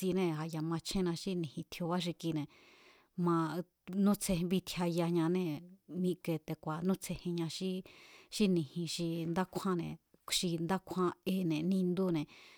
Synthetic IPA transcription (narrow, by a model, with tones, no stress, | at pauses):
i˧nẽ˧a˧ja˧mã˧t͡ʃʰẽ˦nã˧ʃi˦nĩ˨hĩ˧t̪ʰjo˧βa˦ʃ̬i˧ki˧nẽ˨ | mã˧ | nũ˦t͡sʰe˧βi˧t̪ʰja˧ja˧ɲã˧nẽ˧mĩ˧ke˧t̪e˧kʷa˨nũ˦t͡sʰe˧hẽ˧ɲã˧ʃi˦ʃi˦nĩ˧˨hĩ˧ʃi˧nd̪a˦kʷʰã˦nḛ̃˨ | ʃi˧nd̪a˦kʷʰã˧e˧nẽ˨nĩ˧nd̪u˦nẽ˨